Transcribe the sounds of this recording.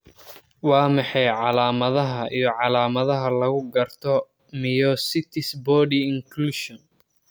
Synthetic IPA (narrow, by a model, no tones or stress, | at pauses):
wɑːmɑħɑjʕɑlaːmɐðɐɦɐʔijɞʕɑlaːmɐðɐɦɐlɐɣʊɡɐrt̪ʰɔ | mɪjɔsɪt̪ʰɪsbɔːɖiɪŋkʰluːʃɔn